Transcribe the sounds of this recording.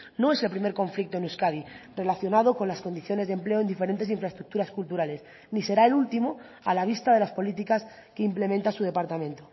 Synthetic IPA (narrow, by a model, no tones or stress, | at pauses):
no̞e̞se̞lpɾime̞ɾko̞ɱflik̚t̪o̞enuskaðire̞laθjo̞nað̞o̞ko̞nlasko̞nd̪iθjo̞ne̞zðemple̞o̞e̞nd̪ife̞ɾe̞nt̪e̞s̬iɱfɾaest̪ɾuk̚t̪uɾaskult̪uɾale̞s | nise̞ɾae̞lult̪imo̞ | a̰laβ̞ist̪að̞e̞laspo̞lit̪̬ikas | ke̞imple̞mẽ̞nt̪asuðe̞paɾt̪amẽ̞nt̪o